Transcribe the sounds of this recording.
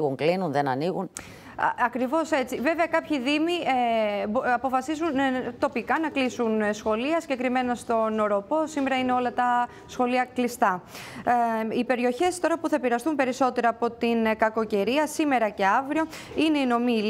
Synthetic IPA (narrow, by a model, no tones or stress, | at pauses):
ɣuŋklinunðenɐniɣun | ɐkɾivo̞se̞t͡sive̞veɐkɐpçiðimi | ɐpo̞fɐsizunt̪o̞pikɐnɐklisunsxo̞liɐsiɲɟe̞kɾime̞nɐst̪o̞no̞ɾo̞po̞sime̞ɾɐineo̞lɐt̪ɐ | sxo̞liɐklist̪ɐ | ipe̞ɾio̞çe̞st̪o̞ɾɐpuθɐepiɾɐst̪umpe̞ɾiso̞t̪e̞ɾɐːpo̞t̪inkɐko̞ce̞ɾiɐsime̞ɾɐce̞ɐvɾio̞ | ine̞ino̞mil